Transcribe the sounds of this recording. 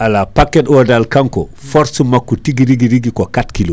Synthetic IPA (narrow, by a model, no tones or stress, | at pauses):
ʔalapakːɛtɔdalkaŋkɔ̰fɔɾsumakːutiɡiɾiɡiɾiɡikɔkatkilo